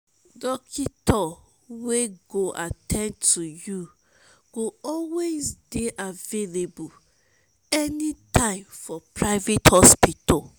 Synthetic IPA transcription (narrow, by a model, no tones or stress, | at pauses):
dɔkʰitɔ | weɡoʔatʰɛ̃ntuju | ɡ̥oɔlwezdeʔavelebu | ɛnitʰãɪ̃mfɔpɹaɪvethɔspito